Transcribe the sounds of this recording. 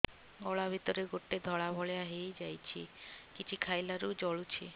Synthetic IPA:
ɔɭabʱit̪ɔɾeɡoʈːed̪ʱɔɭabʱɔɭeaɦejd͡ʒajt͡ʃʰikit͡ʃʰikʰajlaɾud͡ʒɔɭut͡ʃʰi

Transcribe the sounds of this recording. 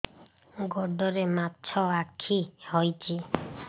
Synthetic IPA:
ɡɔɖɔɾematːt͡ʃʰɔakʰihɔjt͡ʃʰi

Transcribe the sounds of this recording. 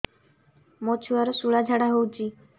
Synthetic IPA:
mɔt͡ʃʰuaɾɔsuɭad͡ʒʱaɽaɦowt͡ʃʰi

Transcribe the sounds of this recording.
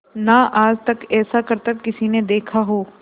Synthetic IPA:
naʔaːd͡ʒt̪ɐkɛːsakɐɾt̪ɐkːɪsined̪eːkʰaɦoː

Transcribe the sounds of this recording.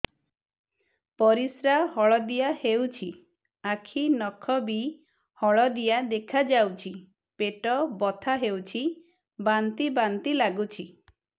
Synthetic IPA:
pɔɾisɾahɔɭɔd̪ijahewt͡ʃʰi | akʰinɔkʰɔbi | hɔɭɔd̪ijad̪ekʰad͡ʒawt͡ʃʰi | peʈɔbɔt̪ʰaɦewt͡ʃʰi | bant̪ibant̪ilaɡut͡ʃʰi

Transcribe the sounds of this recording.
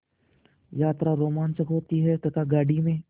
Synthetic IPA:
jaːt̪ɾaɾoːmaːnt͡ʃəkɦoːt̪iɦɛt̪ɐt̪ʰaɡaːɽimẽː

